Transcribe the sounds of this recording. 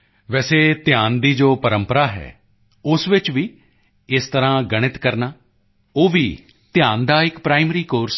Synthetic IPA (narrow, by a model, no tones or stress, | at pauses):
ʋɛːseːt̪ɪjaːnd̪iːd͡ʒoːpəɾəmpəɾaːɦɛ̰ː | ʊsʋɪt͡ʃʋiː | ɪst̪əɾãːɡəɽ̃ɪt̪kəɾnaː | oːʋiː | t̪ɪjaːnd̪aːɪkpɾaːɪmɾiːkoːɾs